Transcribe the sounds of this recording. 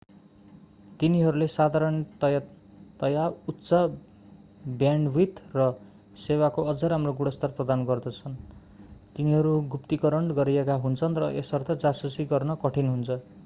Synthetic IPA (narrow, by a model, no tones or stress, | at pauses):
t̪iniɦʌɾulesad̪ʱaɾʌnit̪ʌj | t̪ʌjautːsʌ | bjaɳɖwit̪rʌ | sewakoʌd͡zʌɾamroɡuɽʌst̪arprʌd̪anɡʌrd̪ʌt͡sʰʌn | t̪iniɦʌɾuɡupt̪ikʌɾʌɳɡʌɾiekaɦunt͡sʰʌnrʌʔesʌrt̪ʌd͡zasusiɡʌrnʌkʌʈʰinɦunt͡sʰʌ